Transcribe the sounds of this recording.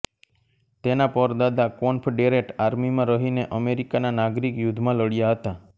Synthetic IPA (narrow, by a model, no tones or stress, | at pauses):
t̪enapəɾd̪ad̪akɔnpʰɖeɾeʈaɾmimãɾəɦineʔəmeɾikananaɡɾikjʊd̪ʱmãləɽjaɦət̪a